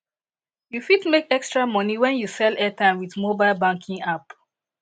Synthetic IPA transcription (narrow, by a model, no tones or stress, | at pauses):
jufidmekɛkstɹamɔniwɛ̃njusɛlɛtãɪ̃mwiðmobaɪlbãŋkʰĩŋap